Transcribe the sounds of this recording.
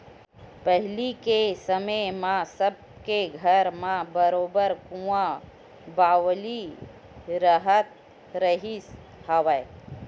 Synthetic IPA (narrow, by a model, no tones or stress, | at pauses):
pəɦlikesəməmãsəb̚ | keɡʱəɾmãbəɾoːbəɾkũã | baːwli | ɾəɦət̪̚ | ɾəɦis | haʋa